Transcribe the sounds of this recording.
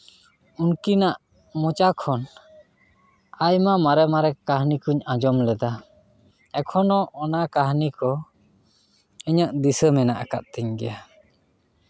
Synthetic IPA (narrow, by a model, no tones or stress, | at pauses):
unkinaʔ | mɔt͡ʃakʰɔn | ajmamaɾɛmaɾɛkaɦnikuɲad͡ʒɔmlɛd̪a | ɛkʰɔnɔʔɔnakaɦnikɔ | əɲaʔd̪isəmɛnaʔaka̰t̪̚t̪ɛɲɡɛja